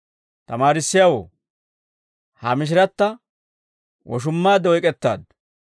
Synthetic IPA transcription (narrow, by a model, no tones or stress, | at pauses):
t̪ɐmaːɾɪsːɪjawo̰ | hɐmɪʃ̬ɪɾɐt̪ːɐ | wɔ̰ʃ̬ʊmːaːd̪ɔjkʼɛt̪ːa̰ːd̪